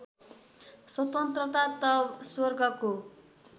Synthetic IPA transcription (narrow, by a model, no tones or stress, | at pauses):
swʌt̪ʌnt̪rʌt̪at̪ʌswʌrɡʌko